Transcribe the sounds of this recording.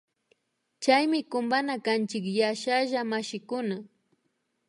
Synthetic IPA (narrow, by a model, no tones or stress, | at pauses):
t͡ʃajmɪkʊmbanakant͡ʃɪkjaʃaʒamaʃɪkʊna